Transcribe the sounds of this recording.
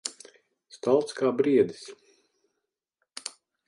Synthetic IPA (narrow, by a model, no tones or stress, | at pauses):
st̪alˠt̪skaːbɾiɛd̪i̥s